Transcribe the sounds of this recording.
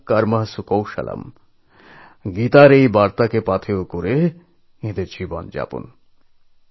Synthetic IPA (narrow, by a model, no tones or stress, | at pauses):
kɐɾmɐɦsukowʃɐ̰lʔɐ̰m | ɡit̪aɾejbaɾt̪akepat̪ʰeokoɾe | ed̪ed͡ʑibɔ̰nd͡ʒa̰pṵn